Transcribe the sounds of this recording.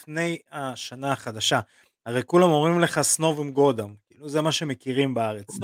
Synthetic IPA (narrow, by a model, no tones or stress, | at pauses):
fne̞jaʃanaːχad̪aʃa | aʁejkulamo̞mʁimle̞χasno̞vimɡo̞d̪amkiːluzemaʃe̞me̞kiʁimbaaʁet͡s